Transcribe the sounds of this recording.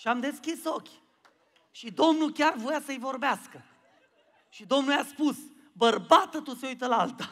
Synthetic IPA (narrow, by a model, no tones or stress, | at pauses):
ʃiamd̪e̞skʲiso̞kʲ | ʃid̪o̞mnukʲarvo̞jasəjvo̞rbeaskə | ʃid̪o̞mnuljaspus | bərbat̪ət̪useujt̪əlaalt̪a